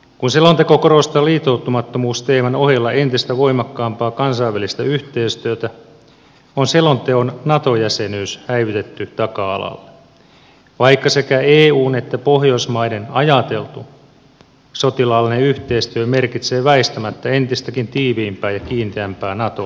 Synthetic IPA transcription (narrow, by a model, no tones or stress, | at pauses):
kunselont̪ekokorost̪ɑːliːt̪ːˑout̪ːumɑt̪ːomuːst̪eːmænoɦilːɑʔe̞nt̪ist̪æʋo̞imɑkːɑːmpɑːkɑnsɑiʋːælist̪æyht̪e̞ːst̪yøt̪æ | onselo̞nt̪eonnɑt̪o̞jæsenyːshæiʋit̪et̪ːyt̪ɑkɑɑ̰lɑ̰lːe | ʋɑikːɑse̞kæeːuːne̞t̪ːæpo̞hjoismɑidenɑjɑt̪e̞lt̪u | sot̪ilɑːlːineyht̪eist̪yøme̞rkit̪seːʋæist̪æmæt̪ːæe̞nt̪ist̪ækint̪iːʋiːmpæːjɑkiːnt̪eæmpæːnɑt̪o̰